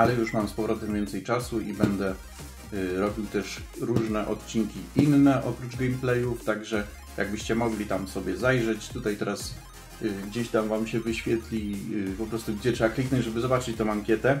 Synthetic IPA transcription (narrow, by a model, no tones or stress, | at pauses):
alɛjuʂmamspɔvɾɔt̪ɛmvʲɛnt̪sɛjt͡ʂasuibɛnd̪ɛ | ɾɔbʲiwt̪ɛʂ | ɾuʐnɛʔɔt̪t͡ɕiŋkʲiʔinːɛʔɔpɾuʐɡɛjmplɛjuft̪aɡʐɛ | ja̰ɡbɘɕt͡ɕɛmɔɡlʲit̪amsɔbʲjɛzajʐɛt͡ɕt̪ut̪ajt̪ɛɾas | ɡd͡ʑeɕt̪amvamɕɛvɘɕfʲjɛt̪lʲipɔpɾɔst̪uɡd͡ʑɛtʂɛbaklʲiknɔnɲd͡ʑʐɛbɘzɔbat͡ʂɘt͡ɕt̪ɔ̃maŋkʲjɛt̪ɛ